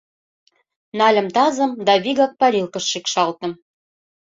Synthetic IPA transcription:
nɑlʲə̆mt̪ɑzə̆md̪ɑβiɣɑk̚pɑɾilkə̆ʃːikʃɑlt̪ə̆m

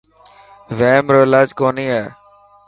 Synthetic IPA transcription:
ʋeːmɾoːɪlaːd͡ʒkoːniːɦɛː

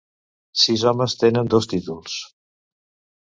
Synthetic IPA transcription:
sizɔməst̪enənd̪ost̪it̪ulˠs

